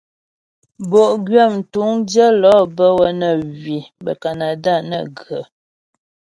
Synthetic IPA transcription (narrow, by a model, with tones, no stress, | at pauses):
bo˨ʔɡɥɛ˦˨m̩˨tu˨˦ŋdjə˦lɔ˨˦bə˦wə˦nə˨ɣɥi˨bə̰˨ka˨na˨da˦˨nə̰˨ɡə˨